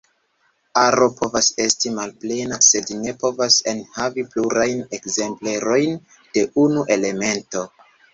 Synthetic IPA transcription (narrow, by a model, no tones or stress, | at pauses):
aɾo̞pʰo̞vase̞stimalple̞nase̞dine̞po̞vase̞nhavipluɾajne̞kze̞mple̞ɾo̞jn | d̥e̞ʔunuʔe̞le̞me̞nto̞